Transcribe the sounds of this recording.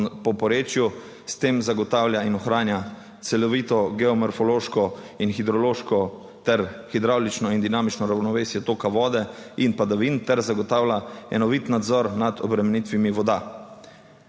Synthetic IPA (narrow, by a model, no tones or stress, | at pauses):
pɔpɔɾeːt͡ʃju | st̪eːmzaɡɔt̪aːwljainɔxɾaːnja | t̪sɛlɔʋiːt̪ɔɡɛɔmɔɾfɔloːʃkɔinxid̪ɾɔloːʃkɔ | t̪ɛɾxid̪ɾawlit͡ʃnɔind̪inaːmit͡ʃnɔɾawnɔʋeːsjɛt̪oːkaʋɔːd̪ɛinpad̪aʋint̪ɛɾzaɡɔt̪aːwlaɛ̰nɔʋit̪nad̪zɔɾnad̪ʰɔbɾɛmɛnit̪ʋimiʋɔd̪a